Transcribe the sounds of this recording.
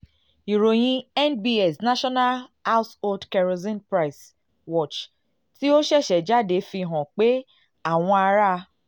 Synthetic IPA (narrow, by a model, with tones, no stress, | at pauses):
i˨ɾo˨j̃ĩ˦ɛ˦nbi˧ɛ˨sna˦ʃɔ˦na˦lha˦so˦dkɛ˨ɾo˧zĩ˦npɾa˦˨js | wɔ˦˨t͡ʃ | ti˦o˦ʃɛ˦˨ʃɛ˨d͡ʒa˦de˨˧fĩ˧ɦɔ̃˨k͡pe˦ | a˦˨w̃ɔ̃˧a˧ɾa˦˧